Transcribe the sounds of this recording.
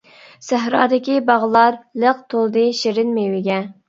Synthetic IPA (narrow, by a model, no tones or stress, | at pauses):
sæɦɾɑ̰ːd̪ɪkʲibɑʁlˠɑɾləq̚t̪ʰolˠd̪ɨʃeɾɪnmewɪɡʲɛ